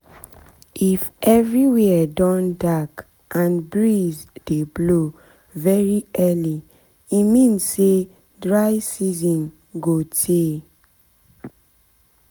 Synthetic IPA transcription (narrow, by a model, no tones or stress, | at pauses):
ifɛvɹiwɛɛdɔ̃ndak | ʔãnbɹizd̥eblo | vɛɹiɛli | imĩnsse | dɹaɪsizɔ̃n | ɡotʰe